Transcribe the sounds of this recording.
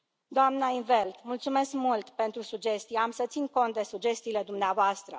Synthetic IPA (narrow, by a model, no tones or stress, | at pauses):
d̪oamnəinve̞lt̪mult̪sume̞skmult̪pe̞nt̪ɾusud͡ʒe̞st̪ijeamsət̪sinko̞nt̪̚d̪e̞sud͡ʒe̞st̪iːle̞d̪umneavoast̪ɾə